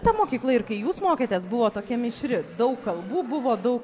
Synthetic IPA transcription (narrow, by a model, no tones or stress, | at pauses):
t̪ɐmoːkʲiːklˠɐɪɾkɐɪjuːsmoːkʲeːt̪ʲeːsbʊʋoːt̪oːkʲɛmʲɪʃʲɾʲɪd̪ɐʊkːɐlˠbuːbʊʋoːd̪ɐʊk